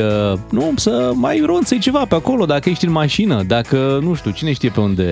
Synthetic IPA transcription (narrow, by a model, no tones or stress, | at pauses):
ənusəmajɾont̪sejt͡ʃe̞vapeako̞lo̞d̪akəjejʃt̪inmaʃinəd̪akənuʃt̪ʲut͡ʃine̞ʃt̪ije̞pe̞und̪e̞̰